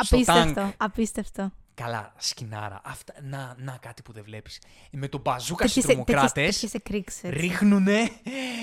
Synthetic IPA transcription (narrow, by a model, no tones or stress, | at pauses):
ɐspist̪ɐeŋft̪oɐpist̪eɐft̪okɐlɐ̰scinɐ̰ɾɐ̰ʔɐft̪ɐnɐnɐkɐt̪i̥puðevlepi̥s | met̪o̞bɐzukɐsstɾomok̪eɾɐst̪esçesekɾikseɾixnune